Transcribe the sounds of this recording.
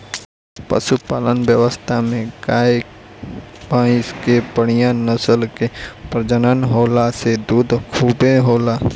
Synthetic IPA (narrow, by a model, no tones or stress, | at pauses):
pə̰ʃupaːlənʋjəʋəst̪ʰamẽɡaː | bãːɪ̃skepəɽɪjãnəsəlkepɾəd͡ʒənənɦoːlased̪uːd̪kʰuːbeɦoːla